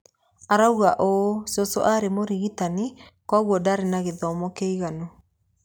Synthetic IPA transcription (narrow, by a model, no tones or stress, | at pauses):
aɾauɣaʔosɔsɔ̰ʔaɾemoɾiɣitanikwaɣwɔdaɾenaɣeðɔmɔkeiɣanɔ